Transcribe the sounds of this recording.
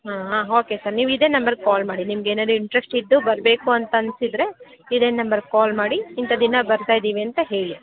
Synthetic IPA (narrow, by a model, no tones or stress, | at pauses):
ɦaːɦaːɦoːke̞saːɾniːʋid̪e̞ːnɐmbɐɾkaːlmaːɽinimɐɡeːnaːd̪uiɳʈɾesʈid̪ːubɐɾbe̞ːkuɐnt̪ɐɐnsid̪ɾe̞ | id̪eːnɐmbɐɾkaːlmaːɽiːnt̪ɐd̪inɐbɐɾt̪aːjd̪iːʋiɐnt̪ɐɦe̞ːɭi